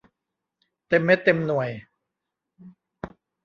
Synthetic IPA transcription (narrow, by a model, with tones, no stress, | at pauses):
t̪e˧mːe˦˥t̪e˧mnu˨˩əj